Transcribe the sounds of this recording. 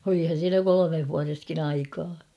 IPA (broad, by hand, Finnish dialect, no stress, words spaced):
olihɑn̞ siːnæ kolomeh ʋuɑreskin ɑikɑː